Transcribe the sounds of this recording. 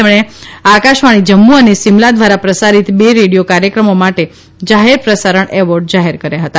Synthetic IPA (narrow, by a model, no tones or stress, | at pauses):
emɽ̃eakaʃʋaɽ̃id͡ʒəmːuənesimlad̪ʋaɾapɾəsaɾit̪beɾeɽijokaɾjəkɾəmomaʈe | d͡ʒaɦeɾpɾəsaɾəɳɛʋɔɾɖd͡ʒaɦeɾkəɾjaɦət̪a